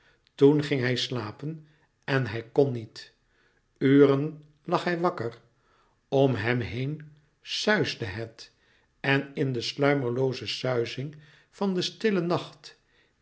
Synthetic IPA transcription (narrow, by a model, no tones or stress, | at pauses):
tunχɪŋɦɛjslaːpən | ɛnɦɛjkɔnit | yːɾən | lɑχɦɛjʋɑkəɹ | ɔmɦɛmɦejn | sœɥzdəɦɛt | ɛnɪndəslœɥməɹlowzəsœɥzɪŋ | vɑndəstɪlənɑχt